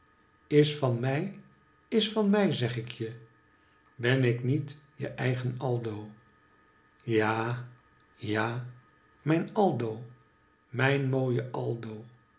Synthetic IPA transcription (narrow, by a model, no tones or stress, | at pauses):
ɪsfɑnmɛj | ɪsfɑnmɛjzɛχɪkʰjə | bɛnɪknitjə̰ʔɛjχənɑlˠdow | jaː | jaː | mɛjnɑlˠdow | mɛjnmoːjəʔɑlˠdow